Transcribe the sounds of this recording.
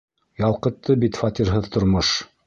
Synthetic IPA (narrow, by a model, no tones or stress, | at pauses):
jɑlˠqɤ̆t̪ʰːɤbit̪fat̪ʲiɾɦɤðt̪ŏɾmoʃ